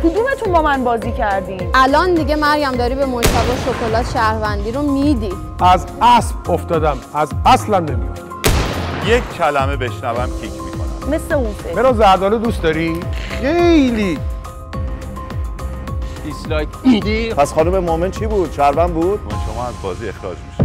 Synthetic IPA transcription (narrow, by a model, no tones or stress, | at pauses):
kʰud̪ume̞t̪ʰunbɒːmænbɒːziːcʰæɾd̪iʔælɒːnd̪iɟe̞mæɾɡæmd̪ɒːɾibemoʃt̪ʰævɒːʃokʰo̞lɒːt̪ʃæhɾvænd̪iːɾomid̪i̥ | ʔæz | æsfoft̪ɒːd̪æmæzæslæmnemḭoft̪æjekcʰːælæmebe̞ʃnævæmcʰikʰmikʰo̰næ̰mmesleunfe̥eɾɒzæɾd̪ɒːled̪ust̪d̪ɒɾiχejli | islɒkid̪ipʰæsχɒːnumemoment͡ʃʰiːbuːd̪̥ʃæɾvænd̪̚buːd̪̥̚unʃomɒːæzbɒ̰ːziːe̞xɾɒ̰ːd͡ʒmiʃi̥